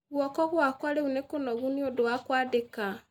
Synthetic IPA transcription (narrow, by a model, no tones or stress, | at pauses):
ɣwɔkɔɣwakwaleunekonɔɣuniodowakwaːdeka